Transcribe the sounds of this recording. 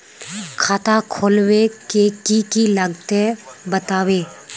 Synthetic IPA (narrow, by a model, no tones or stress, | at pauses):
kʰaːt̪akʰoːlwekekikiləɡt̪ebət̪aːweː